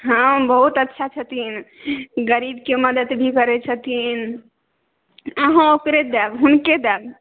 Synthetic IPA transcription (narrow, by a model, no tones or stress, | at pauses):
ɦəmbəɦut̪ətːʃʰat͡ʃʰət̪inɡəɾibkeməd̪əd̪bʱikəɾɛt͡ʃʰət̪in | əɦãokɾed̪ɛbɦunked̪ɛb